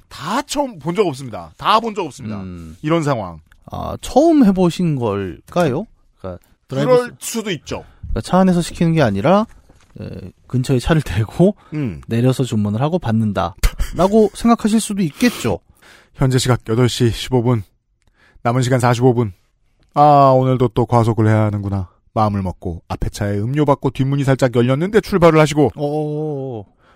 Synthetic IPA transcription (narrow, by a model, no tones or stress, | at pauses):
tat͡ɕʰʌmpond͡ʑʌɡʌp̚s͈ɯmɲida̰tapond͡ʑʌɡʌps͈ɯmɲidaiɾʌnsʰaŋɦwa̰ŋ | a̰t͡ɕʰʌɯmɦe̞boɕʰinɡʌɭk͈ajo | k͈a̰ | ɾʌɭsʰudoit̚t͡ɕ͈ok͈at͡ɕʰaːne̞sʰʌɕʰi̥kʰinɯnɡe̞aɲiɾa | ḛkɯnt͡ɕʰʌet͡ɕʰaɾɯɭtwe̞ɡo | ne̞ɾjʌsʰʌt͡ɕomunɯɭhaɡopanːɯnda̰ɾaɡosʰe̞ŋɡakʰaɕ̬ʰiɭs͈udoik̚k͈e̞t̚t͡ɕ͈o̰ | çjʌnd͡ʑe̞ɕʰiɡak̚jʌdʌɭɕ͈iɕʰibobunː | amɯnɕʰiɡansʰaɕ̬ʰibobun | aonɯɭdot͈okwasʰoɡɯɭɦe̞jaɦanɯnɡuna | maɯmɯɭmʌk̚k͈oapʰe̞t͡ɕʰaeɯmɲobak̚k͈otɥimːuɲisʰaɭt͡ɕ͈akjʌʎːʌnːɯnde̞t͡ɕʰuɭbaɾɯɭhaɕ̬ʰiɡoʌ